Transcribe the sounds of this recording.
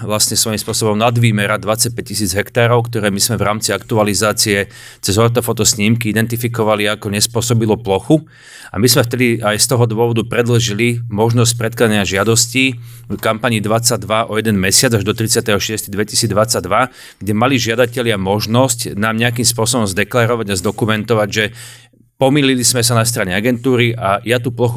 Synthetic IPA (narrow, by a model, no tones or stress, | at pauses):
ʋlasɲɛsʋɔjimspʊɔsɔbɔmnad̪ʋiːmɛɾad̪ʋat͡sac̚pɛc̚cisiːd͡zɦɛkt̪aːɾɔʊkt̪ɔɾɛːmizmɛvɾaːmt͡siakt̪ualizaːt͡siɛ | t͡sɛzɦɔɾt̪ɔfɔt̪ɔsɲiːmkiid̪ɛnt̪ifikɔʋaliakɔɲɛspʊɔsɔbilɔplɔxu | a̰mizmɛft̪ɛd̪iajst̪ɔɦɔd̪ʊɔʋɔd̪upɾɛd̪lʒilimɔʒnɔs̬c̚pɾɛt̪̚klad̪aɲɪaʒɪad̪ɔsciː | kampaɲiːd̪ʋat͡sad̪ʋaʔɔjɛd̪ɛnmɛsɪad͡zaʒd̪ɔt̪ɾit͡sɪat̪ɛɦɔʃɪɛst̪id̪ʋɛcisiːd͡zd̪ʋat͡sːaɟd̪ʋa | ɡ̥ɟɛmaliʒɪad̪acɛʎɪamɔʒnɔscnaːmɲɛak̬imspʊɔsɔbɔmzd̪ɛklaɾɔʋaɟazd̪ɔkumɛnt̪ɔʋaɟʒɛ | pɔmiːlilizmɛsanast̪ɾaɲɛaɡɛnt̪uːɾiʔajat̪uplɔxu